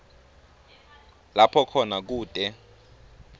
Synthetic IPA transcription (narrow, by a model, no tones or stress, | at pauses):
lapʰɔkʰɔnak̬uːtʼɛ